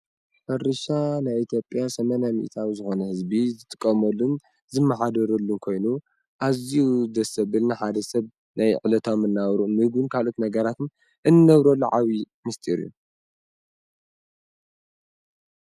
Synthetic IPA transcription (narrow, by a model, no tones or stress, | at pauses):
ħɨɾɨʃanajit̪ʰjo̞pʼjasɐmɐnamḭʔit̪ʰawizɨxo̞nɐhɨzbizɨt̪ʼɨ̥kʼːɐmɐlːun | zɨmːaħad̪ɐɾɐlːunkʰo̞jnu | ʔaziud̪ɐsɐβɨlnaħad̪ɐsɐβ | najʕɨlɐt̪ʰomːɨnːaβɾuunmɨhɡunkʰalo̞t̪nɐɡɐɾat̪ɨn | ʔɨnːɨːɐβɾɐlːuʕawi | mɨst̪ʼiɾḭjṵ